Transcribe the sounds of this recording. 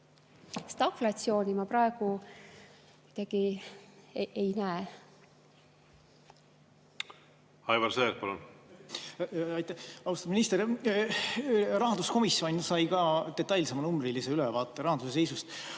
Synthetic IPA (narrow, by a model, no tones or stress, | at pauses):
st̪ɑkflɑt̪sio̞ːnʲimɑpɾɑeɡ̥u | kid̪ɑɡ̥i | ʔejnæe | hɑjvɑɾseːɾpɑlṵn | ɑjt̪ːæhɑust̪ɑminist̪eɾ | rɑɦɑnd̪usko̞misːjo̞nʲsɑjkɑːd̪̥e̞t̪ˑːɑjlsemɑnumbriliseylɛvɑːt̪ːˑeɾɑhɑnd̪̥uses̬e̞jsust̪